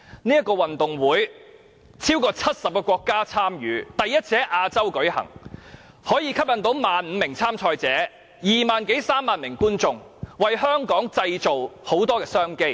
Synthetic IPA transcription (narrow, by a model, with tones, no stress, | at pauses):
niː˥jɐ˥tkɔː˧wɐ˨nt̪ʊ˨˩ŋwuː˨˥j | t͡sʰiː˥wkɔː˧t͡sʰɐ˥t̚sɐ˨p̚kɛː˧kʷɔː˧kːaː˥t͡sʰaː˥mjyː˨˥t̪ɐ˨jjɐ˥t̚t͡sʰɛː˨˥ʔaː˧t͡sɐ˥wkɵ˨˥ɥhɐ̰˨˩ŋ | hɔː˨˥jiː˨˧kʰɐ˥p̚jɐ˨˧nt̪o˨˧˥wmaː˨nm̩ː˨˧mɪ˨˩ŋt͡sʰaː˥mt͡ʃʰɔː˧jt͡sɛː˨˥ | jiː˨maː˨nke˨˥jsaː˥mːaː˨nmɪ˨˩ŋkuː˥nt͡sʊ˧ŋ | wɐ˨jɦœː˥ŋkɔː˨˥ŋt͡sɐ˧jt͡so˨who˨˥wt̪̬ɔː˥kɛː˧sœː˥ŋke˥j